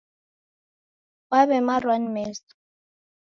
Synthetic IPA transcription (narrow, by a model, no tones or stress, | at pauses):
waβɛmarwanmɛst